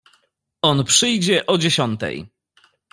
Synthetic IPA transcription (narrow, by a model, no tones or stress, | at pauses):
ɔnpʂɘjd͡ʑɛʔɔd͡ʑeɕɔnt̪ɛ̰j